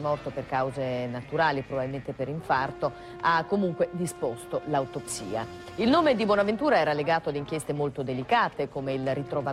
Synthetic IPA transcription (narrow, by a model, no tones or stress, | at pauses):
mɔrt̪operkawzenat̪uɾaːlipɾobabilment̪epeɾiɱfart̪o | akːomuŋkwed̪ispost̪olawt̪opsḭːa̰ | ilnoːmed̪ibwɔnavent̪uːɾaɛːɾaleɡaːt̪oad̪iŋk̟jest̪emolt̪od̪elikaːt̪ekomeilrit̪ɾova